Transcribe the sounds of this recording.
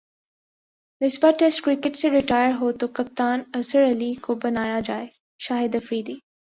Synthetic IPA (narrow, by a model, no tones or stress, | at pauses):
nɪsbaʈeːsʈkɾɪkɪʈseɾɪʈaːjəɾɦoːt̪okɐp̚t̪aːnɐsəɾɐlikobɐnaːjad͡ʒaːe | ʃaːɦɪd̪ɐfɾiːd̪iː